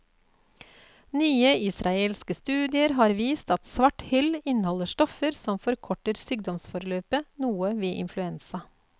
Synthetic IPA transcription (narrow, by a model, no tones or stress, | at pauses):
nyːəʔɪsɾɑeːlskəst̪ʉːd̪ɪəɾɦɑːɾʋiːst̪ɑt̪sʋɑʈhʏlɪnəhɔləʃʈɔfəɾsɔmfɔɾkʰɔʈəɾsyːɡ̚d̪ɔmsfɔɾløːpənuːəʋeːʔɪ̰nflʉɛnsɑ